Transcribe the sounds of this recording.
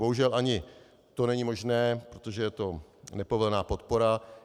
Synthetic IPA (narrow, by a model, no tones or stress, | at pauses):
boɦuʒɛlʔaɲɪ | t̪o̞nɛɲɪmo̞ʒnɛːpɾot̪oʒɛjɛt̪o̞nɛpo̞vl̩naːpo̞t̪po̞ɾa